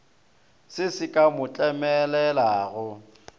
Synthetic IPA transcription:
sɪsɪkʼamʊt͡ɬʼɛmɛlɛlaːɣʊ

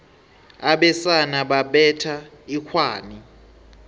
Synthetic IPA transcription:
aɓɛsanaɓaɓɛtʰa | ikʰwaːni

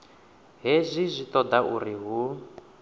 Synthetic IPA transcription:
ɦezʷizʷit̪ɔd̪aʔuriɦu

